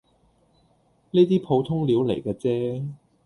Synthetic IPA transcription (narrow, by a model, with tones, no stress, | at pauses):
niː˥t̪̬iː˥pʰo˨˧wt̪ʰʊ˥ŋliː˨˥wlḛ˨˩jkaː˧t͡sɛː˦˥